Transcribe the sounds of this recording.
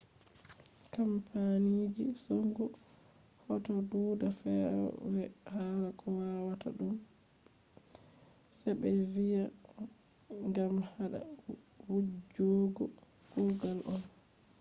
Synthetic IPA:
kampʰanid͡ʒisɔŋɡɔ | hɔtɔbudafɛɾɔ̰wɛhaɾakʰɔwawata̰ɗum | sɛbɛvija | ŋɡamhaɗa̰ | wud͡ʒɔɡɔ | ɡuɡalʔɔn

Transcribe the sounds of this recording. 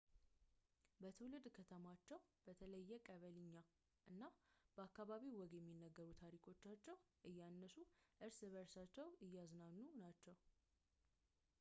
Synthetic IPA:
bət̪ʰɨwlɨd̪kʰət̪ʰəmat͡ʃːɛwbət̪ʰələjːɛkʼəβəlɨɲːa | ʔɨnːab̥əakːaβaβiwɔɡjɛmːinːəɡːəɾut̪ʰaɾikʰo̞t͡ʃːat͡ʃːɛwʔɨjːanːəsuʔɨɾsβəɾsat͡ʃːɛwɨjːaznanːunat͡ʃːɛw

